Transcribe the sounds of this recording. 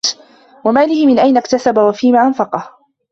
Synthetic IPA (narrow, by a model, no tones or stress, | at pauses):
wamaːlɪhɪmɪnʔajnakt̪asabawafiːmaːʔanfɑqɑh